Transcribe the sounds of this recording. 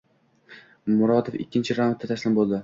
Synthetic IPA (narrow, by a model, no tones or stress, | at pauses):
mʊɾɒt̪ʰofɪ̰kʲːɪnt͡ʃʰɪɾamat̪ːat̪ʰaʃlɪmbolˠd̪ɪ